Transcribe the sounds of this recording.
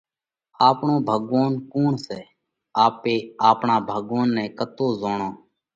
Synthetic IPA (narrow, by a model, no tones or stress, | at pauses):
aːpɳõːbʱəɠaːnkoːɳsɛː | aːpeːaːpɳãːbʱəɠʋaːnːɛ̃ːkət̪oːzoːɳãː